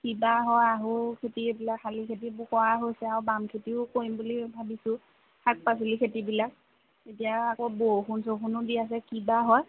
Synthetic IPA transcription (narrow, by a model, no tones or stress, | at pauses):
kibaɦɔjaɦukʰetiebilakʰːalikʰet̬ibʊkɔaɦojsɛaubamkʰetiʊkoimbulibʱabisʊ̃ | kʰak̚pas̬ilikʰetibilak̚ | etijaakɔboxunsoxunudias̬ɛkibaɦɔj